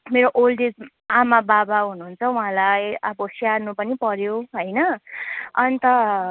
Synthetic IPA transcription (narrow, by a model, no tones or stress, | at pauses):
meɾoʔolɖed͡z | amababaɦunuɦːnt͡sʰʌwũɦãlajʌbosijarnupʌnipʌɾjoɦʌjnʌ | ʌnit̪ʌ